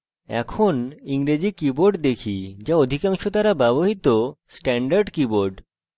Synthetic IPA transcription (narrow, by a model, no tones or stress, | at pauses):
ɛ̰kʰoniŋɾed͡ʑikiboɾɖd̪ekʰid͡ʑaod̪ʱikaŋʃot̪aɾabɛboɦit̪osʈɛɳɖaɾɖkiboɾɖ